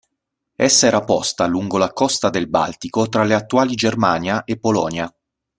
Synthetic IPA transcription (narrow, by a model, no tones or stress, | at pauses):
esːaɛːɾapɔ̰st̪aluŋɡolakɔst̪ad̪elba̰lt̪ikot̪ɾaleat̪ːuaːlid͡ʒermaːnjaʔepːolɔ̰ːnja